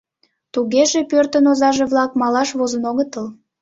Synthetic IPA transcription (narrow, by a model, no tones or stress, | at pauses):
t̪uɣeʒepørt̪ənozɑʒeβlɑk̚mɑlɑʃβozənoɣət̪əl